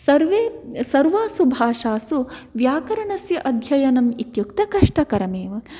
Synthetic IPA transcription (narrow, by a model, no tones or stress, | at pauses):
sɐɾʋeːsɐɾʋaːsubʱaːʂaːsuʋjaːkɐɾɐɳɐsjɐʔɐd̪ʱjɐjɐnɐmit̪jukt̪ɐkɐʂʈɐkɐɾɐmeːʋɐ